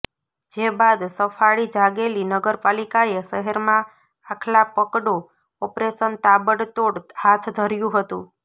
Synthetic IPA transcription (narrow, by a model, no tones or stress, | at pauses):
d͡ʒebad̪səfʰaɭid͡ʒaɡelinəɡəɾpalikaeʃəɦəɾmã | akʰlapəkɽo | ɔpɾeʃənt̪abəɽt̪oɽhat̪ʰd̪ʱəɾjũɦət̪ũ